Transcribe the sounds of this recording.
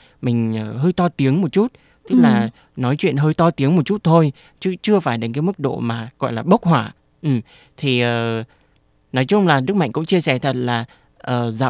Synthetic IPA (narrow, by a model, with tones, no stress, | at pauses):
mï˨˩ŋ̟ʔəː˨˩ɦəː˧jt̪ɔ˧t̪i˨˦əŋmo˨˩t̚t͡ɕu˦˥t̚ | t̪ɨ˦˥k̚laː˨˩ | nɔ˨˦jt͡ɕwḭ˧˨ənɦəː˧jt̪ɔ˧t̪i˨˦əŋmo˨˩t̚t͡ɕu˦˥t̚t̪ʰo˧j | t͡ɕɨ˨˦t͡ɕɨ˧əfaː˧˩jɗə˨˦ŋ̟kaː˨˦jmɨ˦˥k̚ɗo̰˧˨maː˨˩ɣɔ̰˧˨jlaː˨˩ɓə˦˥k̚hwaː˧˩ | ʔɨ˨˩m | t̪ʰi˨˩ʔəː˨˩ | nɔ˨˦jt͡ɕʊ˧ŋ͡mlaː˨˩ɗɨ˦˥k̚ma̰˧˨ŋ̟kʊ̰˧˥ŋ͡mt͡ɕi˧əsɛ˧˩t̪ʰə˨˩t̚laː˨˩ | ʔəː˨˩za̰ː˧˨